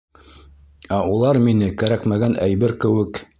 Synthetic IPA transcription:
æulˠɑɾminɘkæɾækmæɡænʔæjbɘɾkɘ̆wɘk

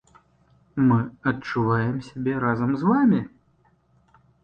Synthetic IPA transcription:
mɨɐt͡ʂːuvajɛmsʲabʲɛɾazɐmzvamʲi

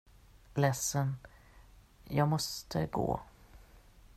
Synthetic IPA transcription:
lɛsːən | jɑːɡmɔst̪ʰəɡo̰ː

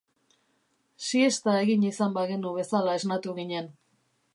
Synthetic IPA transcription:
sie̞st̪ae̞ɣiɲisambaɣenuβe̞salae̞znat̪uɣiɲe̞n

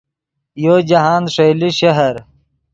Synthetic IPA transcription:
joːd͡ʑɐɦaːnʂejliɕɐɦɐɾ

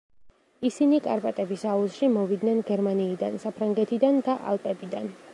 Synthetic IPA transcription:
isinikʼaɾpʼat̪ʼɛbisauʃimɔvid̪nɛnɡɛɾmaniːd̪ansapʰɾaŋɡɛt̪ʰid̪and̪aʔa̰lˠp̪ʼɛbid̪an

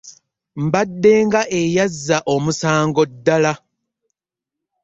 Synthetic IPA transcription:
m̩badːe̞ːŋɡaʔejazːaʔo̞musaːŋɡo̞dːala

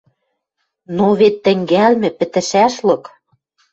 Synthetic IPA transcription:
noβet̪ːɘ̆ŋɡælmɘ̆pɘ̆t̪ɘ̆ʃæʃlɤ̆k

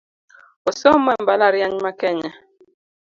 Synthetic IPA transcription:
osɔmɛmbalaɾjaɲmakɛɲɛ

